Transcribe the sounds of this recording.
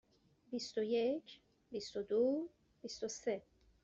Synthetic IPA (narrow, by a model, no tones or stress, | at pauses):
bist̪ojet͡ʃ | bist̪od̪u | bist̪ose